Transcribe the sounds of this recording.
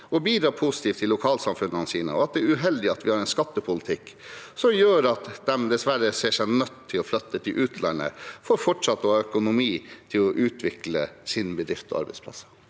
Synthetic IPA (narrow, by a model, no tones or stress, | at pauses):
ɔbiːd̪ɾɑːpʰusɪ̥t̪ʰiːft̪ʰːɪlːʊkʰɑːlsɑmfʉnhɑnsiːnə̰ɔɑt̪̚d̪ɛɾʉɦɛld̪ɪɑt̪ʋɪhɑɾɛɪnskɑt̪ːəpʰʊlɪt̪ʰɪkːsɔmjøːɾɑt̪d̪ɛmd̪ɛsʋæɾəseːʂæɪnœt̪ʰːɪlɔflœt̪ːət̪ʰɪlʔʉːt̪ʰlæ̰nə̰fɔɾfɔʈʂɑt̪ːɔhɑːœkʊnʊmiːt̪ʰɪlɔʔʉːt̪ʰʋɪklə̰sɪnbəd̪ɾɪft̪ʰɔ̰ɑ̰ɾbɛ̰ɪspʰlɑ̰sːə̥